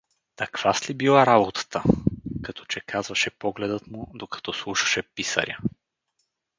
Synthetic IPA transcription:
t̪ɐkv̥aslʲibilˠaɾabot̪ə̥t̪əkɐt̪ɔ̥t͡ʃɛkazvɐʃɛpɔɡlɛd̪ət̪mud̪okɐ̥t̪ɔslˠuʃɐ̥ʃɛpisə̰ɾʲja̰

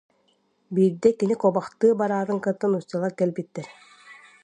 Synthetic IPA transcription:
biːɾd̪ɛkinikɔbaχt̪ɯːbaɾaːd̪ɯŋkɯt̪ːɯnut͡ɕalˠaɾkɛlʲbit̪ːɛɾ

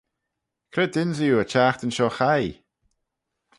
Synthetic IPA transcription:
kʰɾɪd̪ɪnzijuːət͡ʃaːxt̪ənʃɔːxaj

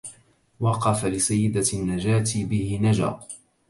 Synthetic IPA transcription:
wɑqɑfalɪsajːɪd̪anːad͡ʒaːt̪bɪhɪnad͡ʒa̰ːq̪

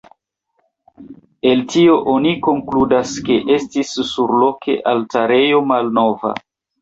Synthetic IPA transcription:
e̞ltio̞ʔo̞niko̞ŋkludaske̞ʔe̞stisːuɾlo̞kʰe̞̰ʔaltaɾe̞jo̞malno̞va̰

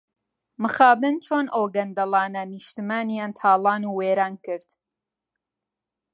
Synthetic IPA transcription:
mɨxaːbɨnt͡ʃʰoːnʔoːɡɐnd̪ɐlˠɑːnɐnɨʃt̪imaːnijaːnt̪ʰaːlˠɑːnuːweːɾaːnkɨɾd̪̥

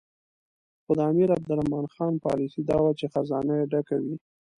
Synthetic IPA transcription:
xʊd̪əamiɾab̚d̪ʊlamɑnxɑnpɑ̰lisid̪ɑwat͡ʃexazɑnajeɖakawi

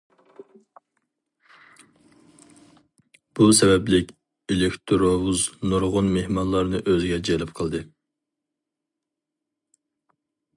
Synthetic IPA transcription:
b̥usɛbɛblɪkʲ | elɪkʲt̪ʰɾowuznuɾʁʊnmehmɑnlˠɑɾnɨʔøzɪɡʲɛd͡ʒelɪp̚qʰəlˠd̪ɨ

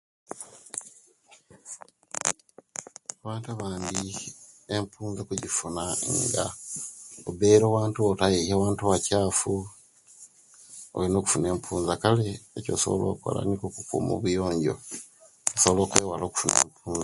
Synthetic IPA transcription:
aβaːntaβaːndi | empʰuːnzokuɟifunaŋɡa̰ | obeɾo̞ːwaːntuotajejawaːntuwacaːfu | olino̞ːku̥fune̞ːmpʰuːnzakaleːco̞̰so̰βo̰lo̰ːko̰la̰nikokukṵːmo̰βujo̞ːɲɟo̞̰ | oso̞βolo̞ːkweːwalo̞ku̥funḛːmpʰuːnza

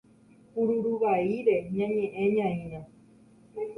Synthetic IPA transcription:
puɾuɾuʋaiɾe̞ɲãɲẽʔẽɲãĩɾ̃ã

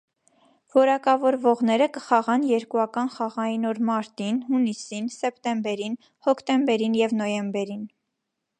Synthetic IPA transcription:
vɔɾɑkɑvɔɾvɔʁnɛɾəkə̥χɑʁɑnjɛɾkuɑkɑnχɑʁɑjinɔɾmɑɾt̪inhunisinsɛpt̪ɛmbɛɾin | hɔkʰt̪ɛmbɛɾinjɛvnɔjɛmbɛɾin

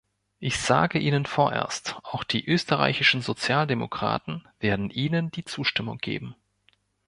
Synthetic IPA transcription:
ʔɪçz̥aːɡəʔiːnənfoːɐʔḛːɐstʔaʊxd̥iːʔøːstəʁa̰ɪçɪʃn̩zot͡sjaːldemo̰kʁ̥a̰ːtn̩veːɐdn̩ʔiːnənd̥iːt͡suːʃtɪmʊ̰ŋɡḛːbm̩

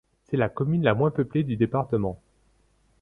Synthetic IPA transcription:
sɛlakɔmynlamwɛ̃pøpled̪yd̪epaʁt̪əmɑ̃

